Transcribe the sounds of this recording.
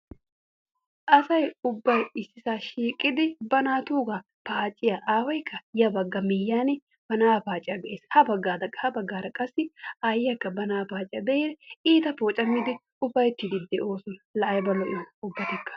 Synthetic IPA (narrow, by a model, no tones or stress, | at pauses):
ʔɐsɐjʊbːɐjɪsːɪsaːʃiːkʼːɪd̪ɪbɐnaːt̪uːɡɐ | paːt͡ʃʼɪjaʔaːwɐjkʰːɐjɐbɐɡːɐmɪjːaːnɛ | b̥ɐnaːpaːt͡ʃʼɪjɐbɛʔeːshɐbɐɡːaːd̪ɐhɐbɐɡːaːd̪ɐkʼɐsːɪajɐkːɐbɐnaːpaːt͡ʃʼɪjɐb̪ɛed̪ɛiːt̪ɐpoːt͡ʃʼɐmːɪd̪ɪ | ʊbːɐjt̪ːɪd̪ɪd̪ːɛʔo̞ːsʊnlɐʔɐjbɐlɔʔɪʊbːɐt̪ɐkːɐ̥